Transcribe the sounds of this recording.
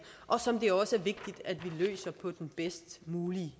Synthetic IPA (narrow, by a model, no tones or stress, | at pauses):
ʔɒ̽sɒ̽md̥e̝æɐɒ̽səæɐʋe̝ɡ̥̚d̥id̥æd̥ʋilø̰ːsɐpʰɒ̽d̥enb̥esd̥muːli